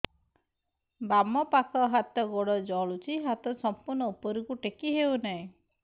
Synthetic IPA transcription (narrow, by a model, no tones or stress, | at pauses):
bamɔpakʰɔɦat̪ɔɡɔɽɔd͡ʒɔɭut͡ʃʰiɦat̪ɔsɔmpuɾnɔupɔɾikuʈekiɦewnaĩ